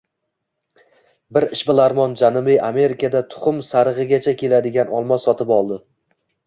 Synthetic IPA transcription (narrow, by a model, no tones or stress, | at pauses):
bɪɾɪʃbɪlˠaɾmɒnd͡ʒanɪmɪʔame̞ɾɪkʰad̪at̪ʰʊ̥χʊmsaɾɨʁɨɡʲat͡ʃʰakʲʰe̞lad̪ɪɡʲanʔɒlˠmɒsɒt̪ʰɪpɒlˠd̪ɪ